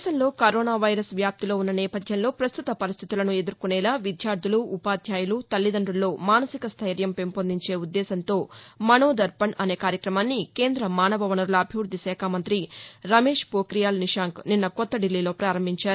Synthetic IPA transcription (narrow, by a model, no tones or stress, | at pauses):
sɐnlo̞ːkɐɾoːnaːʋɐjɾɐsʋjaːp̚t̪ilo̞ːunːɐnɛːpɐd̪ʱjɐnlo̞ːpɾɐst̪ut̪ɐpɐɾist̪ʰi̥t̪ulɐnue̞d̪uɾukunɛːlaːʋid̪ʱjaːɾd̪ʱuluːpaːd̪ʱjaːjulut̪ɐlːid̪ɐɳɖulːo̞ːmaːnɐsikɐst̪ʰɐjɾjɐmpe̞mpond̪iɲt͡ʃe̞ːud̪ːɛːsɐnt̪o̞ːmɐnoːd̪ɐɾpɐnɐne̞ːkaːɾjɐkɾɐmaːnːike̞ːnd̪ɾɐmaːnɐʋɐʋɐnɐɾulɐːbʱiʋɾud̪ʱisɛːkʰaːmɐnt̪ɾiɾɐme̞ːʂpoːkɾijaːlniʂaːŋkninːɐkɔt̪ːɐɖilːiːlo̞ːpɾaːɾɐmbʱiɲt͡ʃaːɾu